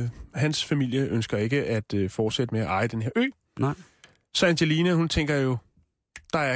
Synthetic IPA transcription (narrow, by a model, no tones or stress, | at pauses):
hænsfæmil̰jəʔønsɡ̥ɐe̝ɡ̥əʔæd̥fɒːd̥sed̥əmeæʔɑ̈ɪəd̥enɦe̝ɐø̰ː | sænd̥elinəhunt͡sʰeŋ̰ɡ̥ɐjo̝ | d̥ɑ̈æɐ